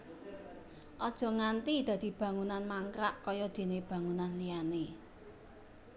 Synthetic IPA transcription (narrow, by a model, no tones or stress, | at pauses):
ʔɔd̥ʒ̥ɔ̤ŋant̪id̪̥ä̤d̪̥i̤b̥ä̤ŋunanmaŋkɾaʔkɔjɔd̪̥e̤neb̥ä̤ŋunanlijane